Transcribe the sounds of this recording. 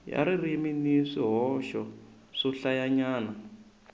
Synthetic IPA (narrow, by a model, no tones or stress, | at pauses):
ja̰ɾiriminiʂiɦɔʃɔ | ʂɔɬajaɲaːna